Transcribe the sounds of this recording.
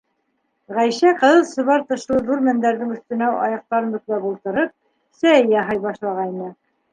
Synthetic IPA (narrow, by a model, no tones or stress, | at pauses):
ʁæjʃæqɤ̆ðɤlˠsɤ̆βɑɾt̪ɤ̆ʃlˠɤðuɾmænd̪æɾðɘŋɵ̆θt̪ɘ̆næwʔɑ̰jɑq̚t̪ɑɾɤnbɵ̆klæbulˠt̪ɤ̆ɾɤp̚ | sæjɑɦɤjbɑʃlˠɑʁɑjnɤ